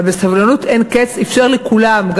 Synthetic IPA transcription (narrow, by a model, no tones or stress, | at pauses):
besavlanut̪ʔenket͡sefʃeʁlekulamɡ